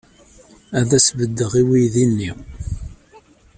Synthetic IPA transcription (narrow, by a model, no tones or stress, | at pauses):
æðæsvəd̪ːəʁiwijðinːi